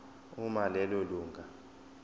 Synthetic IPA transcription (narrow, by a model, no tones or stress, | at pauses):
umalɛloluːŋɡʱa